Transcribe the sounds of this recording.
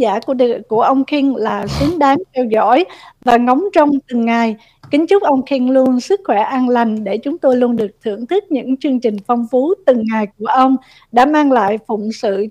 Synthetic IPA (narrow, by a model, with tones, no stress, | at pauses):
aː˧˩kku˧˩əʔə˧wŋ͡mxi˧ŋlaː˨˩sɨ˨˦əŋɗaː˨˦ŋt̪ʰɛ˧wzɔ̰˧˥˨jvaː˨˩ŋɔ˨˦wŋ͡mt͡ɕɔ˧wŋ͡mt̪ɨ˨˩ŋːa˨˩j | kï˨˦ŋ̟t͡ɕʊ˦˥k͡p̚ʔə˧wŋ͡mxi˧ŋlu˧ənsɨ˦˥k̚xwɛ˧˩ʔaː˧nla˨˩ŋ̟ɗe˧˩t͡ɕʊ˨˦ŋ͡mt̪o˧jlu˧ənɗɨ˨˩ək̚t̪ʰɨ̰˧˩əŋt̪ʰɨ˦˥k̚ɲɨ̰˧˥ŋt͡ɕɨ˧əŋt͡ɕï˨˩ŋ̟fɔ˧wŋ͡mfu˨˦t̪ɨ˨˩ŋːa˨˩jku˧˩əʔə˧wŋ͡m | ɗa̰ː˧˥maː˧ŋla̰ː˧˨jfʊ̰˧˨ŋ͡msɨ̰˧˨